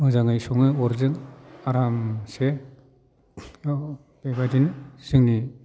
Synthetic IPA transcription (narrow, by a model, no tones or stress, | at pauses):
mɯzaŋɯjsɔŋɯɔɾzɯŋaɾamse | b̥ebadinsɯŋni